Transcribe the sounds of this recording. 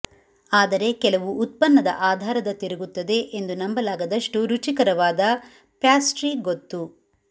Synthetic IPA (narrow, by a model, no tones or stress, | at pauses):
aːd̪ɐɾe̞kɛlɐʋuːt̪̚pɐnːɐd̪ɐ̰ʔaːd̪ʱaːɾɐd̪ɐt̪iɾɐɡut̪ːɐd̪e̞ʔend̪unɐmbɐlaːɡɐd̪ɐʂʈuɾut͡ʃikɐɾɐʋaːd̪ɐ | paːsʈɾiːɡot̪ːu